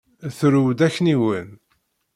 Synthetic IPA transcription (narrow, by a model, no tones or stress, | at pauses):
θɾuwd̪æçːniwən